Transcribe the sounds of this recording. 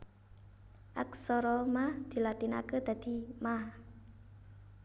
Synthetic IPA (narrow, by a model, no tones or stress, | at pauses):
ʔak̚sɔɾɔmahd̪̥i̤lat̪ina̰kəd̪̥a̤d̪̥i̤mah